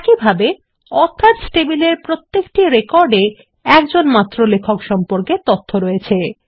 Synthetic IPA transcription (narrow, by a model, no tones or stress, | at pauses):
ɛkibʱabe | ɔɾt̪ʰːat̪sʈebileɾpɾot̪ːekʈiɾekɔɾɖe | ɛkd͡ʑonmat̪ːɾolekʰokʃɔmpoɾket̪ot̪ʰːoɾɔjet͡ɕʰe